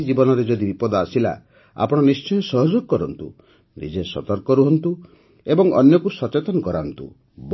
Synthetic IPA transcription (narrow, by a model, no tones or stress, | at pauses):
d͡ʒibɔnɔɾed͡ʒɔd̪ibipɔd̪ɔasila̰ | a̰pɔɽ̃ɔnist͡ʃɔjɔsɔɦɔd͡ʒoɡɔkɔɾɔnt̪ṵ | nḭd͡ʒesɔt̪ɔɾkɔɾuɦɔnt̪u | ebɔŋɔnjɔkusɔt͡ʃet̪ɔnɔkɔɾaɦnt̪ṵ | b